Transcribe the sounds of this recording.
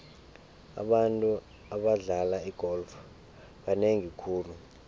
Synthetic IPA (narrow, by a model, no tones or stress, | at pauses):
a̰ɓantʼu | aɓaɮalaiɡ̥ʱɔlf | ɓaneŋikʰuːlu